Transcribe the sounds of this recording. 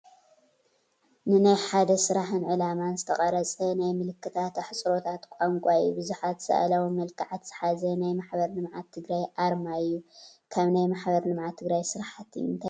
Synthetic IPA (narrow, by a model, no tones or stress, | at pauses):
nɨnajħad̪ɐsɨɾaħɨnʕɨlamanzɨt̪ʰɐχʼɐɾɐt͡sʼɐnajmɨlɨkːɨt̪ʰat̪ħɨt͡sʼɾo̞t̪ʰat̪kʷʼaŋkʷʼaɨjːubɨzuħat̪sɐ̰ʔa̰lawimɐlkʰaʕat̪z̥ɨ̥ħazɐnajmaħbɐɾlɨmʕat̪ʰːɨɡɾajʔaɾmaɨjːukʰaβnajmaħbɐɾlɨmʕat̪ʰːɨɡɾajsɨɾħat̪ʰɨɨnt̪ʰa